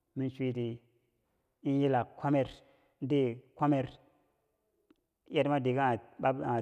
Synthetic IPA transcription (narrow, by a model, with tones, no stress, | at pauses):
mi˦nʃʷi˦ti˨ | i˦n˦ji˦la˨kkʰʷːa˦me˦ɾ | de˦kʷa˦me˦ɾ | ja˦tma˦di˨ɡa˦a˨ba˦a˨